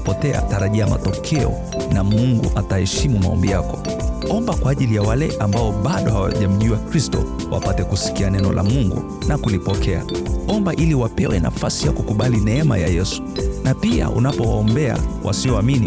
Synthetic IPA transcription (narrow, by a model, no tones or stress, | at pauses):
pɔtɛa̰taɾaʄiama̰tɔkʰɛɔ̰ | namuŋɡṵʔatahɛʃimumaɔ̰mbijakɔ | ɔmbakwaːʄilijawalɛʔambaɔɓaɗɔhawa̰ʄam̩ʄuakɾistɔ̰ | wʔa̰patɛkusi̥kianɛnɔ̰lʔa̰muŋɡṵ | nakulipɔkʰɛaɔmbaʔiliwapɛwɛna̰fasijakukuɓalinɛɛma̰jajɛsu̥napia̰ʔṵnapɔwaɔmbɛa̰wʔa̰siɔamini